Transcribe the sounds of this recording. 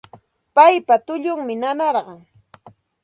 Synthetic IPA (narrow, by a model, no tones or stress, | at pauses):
pajpat̪ʊʎʊŋmɪnanɑɾɢɑŋ